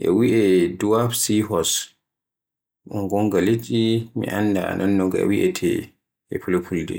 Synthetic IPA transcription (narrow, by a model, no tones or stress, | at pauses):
ʔɛ̰wiʔɛduwafsiɦɔs | ʔuŋɡɔŋɡalit͡ʃimḭʔanːdaa̰nʔanːɔɡɛ̰wiʔɛtʰɛ̰ | ʔɛpʰulopʰuldɛ̰